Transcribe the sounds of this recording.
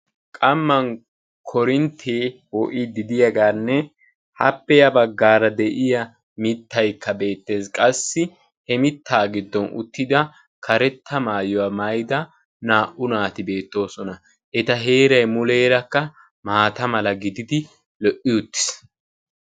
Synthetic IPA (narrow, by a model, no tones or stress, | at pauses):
kʼɐmːɐn | kʰɔɾɪnt̪ʰeːwɔʔid̪ɪd̪ɪjɐɡaːnːɛ | hɐpːɛjɐbɐɡːaːɾɐd̪ɛʔɪjɐ | mɪt̪ːɐjkːɐbe̞ːt̪ːe̞ːskʼɐsːɪ | hɛmɪt̪ːaːɡɪd̪ːɔnʊ̰t̪ːɪd̪ɐ | kʰɐɾɛt̪ːɐmaːjɔwɐmɐjd̪ɐ | naːʔʊnaːt̪ɪbe̞ːt̪ːo̞ːsɔnɐ | ʔɛt̪ɐɦe̞ːɾɐjmʊle̞ːɾɐkːɐ | maːt̪ɐmɐlɐɡɪd̪ɪd̪ɪ | lɔʔɪjʊt̪ːɪ̥s